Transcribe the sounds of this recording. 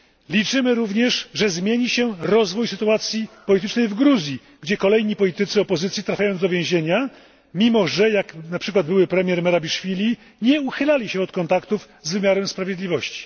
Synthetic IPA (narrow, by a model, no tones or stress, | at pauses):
lʲit͡ʂɘmɘɾuvɲɛʂʐɛzmʲjeɲiɕɛɾɔzvujsɘt̪uat̪sʲjipɔlʲit̪ɘt͡ʂnɛjvɡɾuzʲji | ɡd͡ʑɛkɔlɛjɲipɔlʲit̪ɘt̪sɘɔpɔzɘt̪sʲjit̪ɾafʲajɔnd̪ɔvʲjẽw̃ʑeɲa | mʲimɔʐɛjaknapʂɘkwad̪̚bɘwɘpɾɛmʲjɛɾmɛɾabʲiʂfʲilʲi | ɲɛuxɘlalʲiɕɛɔt̪kɔnt̪akt̪uv | zvɘmʲjaɾɛmspɾavʲjed̪lʲivɔɕt͡ɕi̥